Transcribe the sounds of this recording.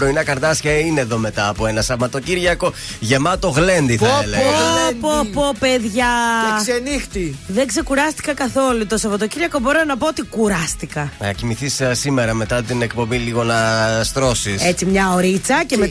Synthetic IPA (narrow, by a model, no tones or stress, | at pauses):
pɾo̞inɐkɐɾt̪ɐsçɐine̞ðo̞me̞t̪ɐːpoe̞nɐsɐvmɐt̪o̞ciɾʝɐko̞ | ʝe̞mɐt̪o̞ɣle̞nd̪iθɐlepopopeðʝɐesenixt̪iðeŋɡse̞kuɾɐst̪i̥kɐkɐθo̞lut̪osɐvɐt̪ociɾʝɐko̞boɾenɐpoot̪ikuɾɐst̪ikɐnɐcimiθissime̞ɾɐme̞t̪ɐt̪ine̞kpo̞biliɣo̞nɐst̪ɾo̞siset͡simɲɐo̞ɾit͡sɐceme